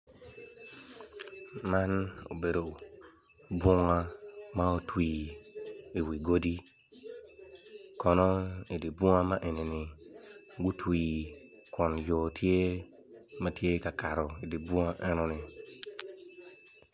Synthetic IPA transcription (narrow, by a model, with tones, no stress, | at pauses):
ma˦no̰˨be˨ɾo˨ | bu˦ŋa˦ma˦o˨tʰwiː˨ | i˨wi˨ɡo˦di˦ | kʰɔ˨nɔ˦i˨di˨bu˦ŋa˦ma˦ʔe˨ni˨ni˨ | ɡu˦ti˨ | ku˨njoː˨tʰe˦ | ma˦ti˦e˦ka˨ka˨ɾu˨i˨di˨bu˦ŋa˦ʔe˦nu˨ni˨